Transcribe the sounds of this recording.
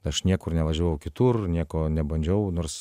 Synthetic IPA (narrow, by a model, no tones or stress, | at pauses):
ɐʃnʲiɛkʊrnʲɛʋɐʒʲuːjɛʊkʲɪt̪urnʲiɛkoːnʲɛbɐnʲd͡ʒʲɛʊnoːrs